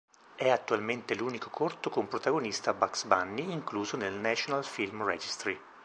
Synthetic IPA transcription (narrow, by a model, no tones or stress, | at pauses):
ɛat̪ːualment̪eluːnikokʰort̪okompɾot̪aɡonist̪abaksbanːiːŋkluːzonelnɛt͡ʃonalfilmrɛd͡ʒist̪ɾi